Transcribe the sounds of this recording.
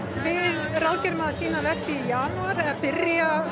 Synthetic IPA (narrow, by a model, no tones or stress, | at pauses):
vɪðrawcɛɾmaðasiːnavɛr̥cɪijaːnuaɾɛpɪɾja